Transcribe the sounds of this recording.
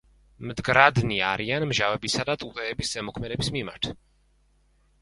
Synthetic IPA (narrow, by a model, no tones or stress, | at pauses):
md̪ɡɾad̪niaɾianmʒavɛbisad̪at̪ʼut̪ʼɛːbiszɛmɔkʰmɛd̪ɛbismima̰ɾt̪ʰ